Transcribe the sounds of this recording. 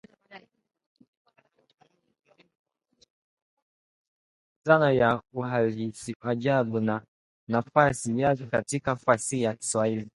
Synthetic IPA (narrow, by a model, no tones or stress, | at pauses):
zanajauhalisiʔaʄaɓuna | nafasijakɛkatikafasijaki̥swahili